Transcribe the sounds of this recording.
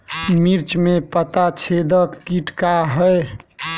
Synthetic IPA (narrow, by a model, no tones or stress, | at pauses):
miɾt͡ʃmepət̪at͡ʃʰed̪əkːiʈkaɦəe